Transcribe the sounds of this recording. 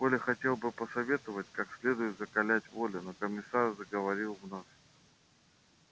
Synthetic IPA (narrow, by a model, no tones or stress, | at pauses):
volʲɪxɐtʲe̞lˠbɨpəsɐvʲe̞t̪əvətʲkaksʲlʲe̞d̪ʊjɪt̪zəkɐlʲætʲvo̞lʲʊnokəmʲɪsarzəɡəvɐɾʲilˠvnas